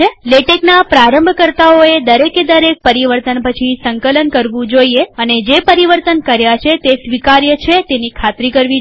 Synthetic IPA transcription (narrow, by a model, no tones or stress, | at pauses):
eleʈeknapɾaɾəmbʱkəɾt̪aoed̪əɾeked̪əɾek̚pəɾiʋəɾt̪ənpət͡ʃʰisəŋkələnkəɾʋũd͡ʒoieəned͡ʒepəɾiʋəɾt̪ənkəɾjat͡ʃʰet̪esʋikaɾjət͡ʃʰet̪enikʰat̪ɾikəɾʋi